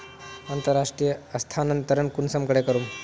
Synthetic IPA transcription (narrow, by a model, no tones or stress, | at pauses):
ɐnt̪əɾːaʂʈɾijəɐst̪ʰaːnənt̪əɾənkunsɐmkəɽekəɾuːm